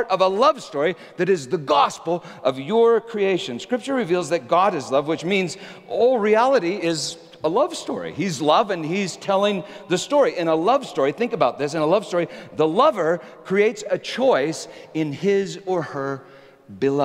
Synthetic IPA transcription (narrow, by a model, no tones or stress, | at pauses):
ɹɾʌvəlʌv̥stɔɹi | ðɨɾɨzðɨɡɑspl̩ˠ | ʔʌvjə˞kʰɹ̥ieɪʃɨ̃nskɹ̥ɪp̚t͡ʃə˞ɹɨvilˠzðɨt̚ɡ̥ɑɾɨzlʌvwɨt͡ʃmĩnz | oʊlˠɹiælˠəɾiɪz | əlʌv̥stɔ̰ɹḭizlʌvɨ̃niz̥tʰɛlˠɪ̃ŋðɨstɔɹiʔɨ̃ñəlʌv̥stɔɹiθɪ̃ŋkɨbaʊt̪̚ðɪsɨ̃nəlʌv̥stɔɹiðəlʌvə˞kʰɹ̥ieɪtsɨt͡ʃʰɔɪsɨ̃nɪzə˞ə˞ | bɨlʌ